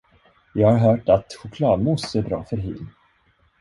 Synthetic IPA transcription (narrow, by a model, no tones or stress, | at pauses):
jɑːɡhaɾɦœːʈat̪ɧʊkʰlɑːd̪mɔst̪əbɾɑ̰ːfœɾɦḭːl